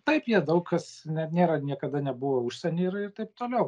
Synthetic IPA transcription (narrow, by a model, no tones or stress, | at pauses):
t̪ɐɪpjiɛd̪ɐʊkkɐsnʲɛnʲeːɾɐnʲiɛkɐd̪ɐnʲɛbuʋoʊʃʲsʲɛnʲeɪrɪrt̪ɐɪp̚t̪oːlʲɛʊ